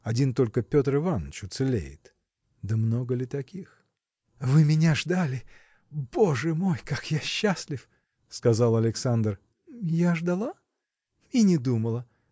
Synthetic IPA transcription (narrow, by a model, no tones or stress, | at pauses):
ɐdʲint̪o̞lʲkəpʲo̞t̪rɨvanət͡ɕʊt̪sɨlʲḛjɪ̰t̪ | d̪əmno̞ɡəlʲɪt̪ɐkʲix | vɨmʲɪnʲaʐd̪alʲɪ | b̥o̞ʐɨmo̞jkakjaɕːasʲlʲɪf | skɐzalˠɐlʲɪksand̪r | jaʐd̪ɐlˠa | inʲɪd̪uməlˠə